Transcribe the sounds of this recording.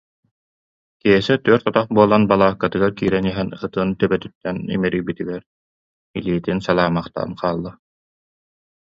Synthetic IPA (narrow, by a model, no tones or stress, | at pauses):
kiɦɛsɛt̪yɾt̪ɔt̪aχbuɔlˠanbalˠaːkːat̪ɯɡaɾkiːɾɛniɦɛnɯt̪ɯnt̪œbɛt̪yt̪ːɛnḭmɛɾiːbit̪iɡɛɾ | iliːt̪insalˠaːmaχt̪a̰nqʰaːlˠːɯ